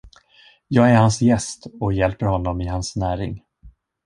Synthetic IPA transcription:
jɑːɡæɾhansjɛst̪ɔjɛlpəɾhɔnːɔmɪɦansnæːɾɪ̰ŋ

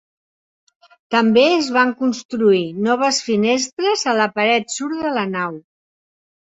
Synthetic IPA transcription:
t̪əmbeəzβaŋkunst̪ɾuinɔβ̞əsfinest̪ɾəzələpəɾɛt̪suɾðələnaw

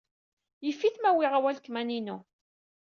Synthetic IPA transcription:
jəfːiθmæwɪʁawælkːmæninu

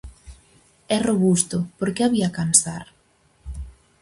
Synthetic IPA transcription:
ɛroβust̪ʊpoɾkeaβiakansaɾ

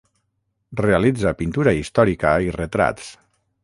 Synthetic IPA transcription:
realid͡zapint̪uɾaist̪ɔɾikəiret̪ɾa̰t̪s

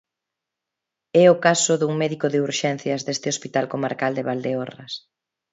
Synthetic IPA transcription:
ɛʊkasʊðuŋmɛðikoðɪuɾʃɛn̟θjɐzðest̪ɪospit̪alkomaɾkald̪eβald̪eorɐ̰s

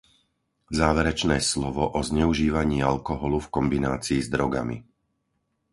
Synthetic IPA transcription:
zaːʋɛɾɛt͡ʃnɛːslɔʋɔʔɔzɲɛuʒiːʋaɲɪːalkɔɦɔlufkɔmbinaːt͡siːzd̪ɾɔɡa̰mḭ

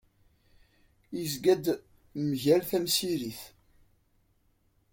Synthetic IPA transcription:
izɡæd̪ | mʝælθæmsiɾiθ

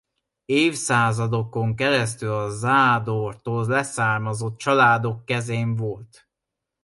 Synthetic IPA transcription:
eːfsaːzɒd̪o̞ko̞ŋkɛɾɛs̬t̪ylɒzaːd̪oːrt̪oːllɛsaːrmɒzo̞t̪̚t͡ʃɒlaːd̪o̞kːɛzeːɱvolt̪

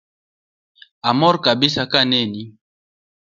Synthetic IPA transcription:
amɔɾkabisakanɛni

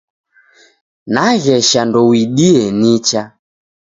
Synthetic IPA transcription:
naɣɛʃandɔwiɗiɛnit͡ʃa

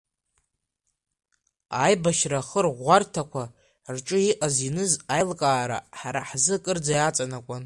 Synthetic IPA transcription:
ajbaʃraχərʁʷartʰakʷʰa | rʈ͡ʂʼɨiʔazinɨzajlkʼaːɾa̰ħaɾaħzɨkʼɨrd͡zajat͡sʼanakʷʼʊn

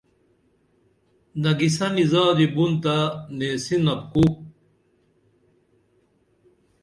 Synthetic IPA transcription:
nɐɡisɐnizaːd̪ibunt̪aneːsinɐp̚ku

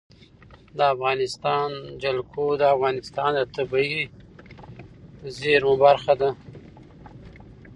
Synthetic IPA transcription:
d̪əafɣɑnɪst̪ɑnd͡ʒalkʰod̪əafɣɑnɪst̪ɑnd̪ət̪abai | zeɾmʊbaɾxad̪a

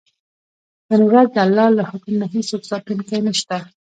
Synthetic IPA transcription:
hənɾazd̪əalːɑlahʊkmnaɦisoksɑt̪unkajnəʃt̪a

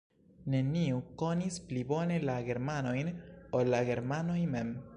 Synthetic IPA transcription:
ne̞niuko̞nisplibo̞ne̞laɡe̞ɾmano̞jnolːaɡe̞ɾmano̞jme̞m

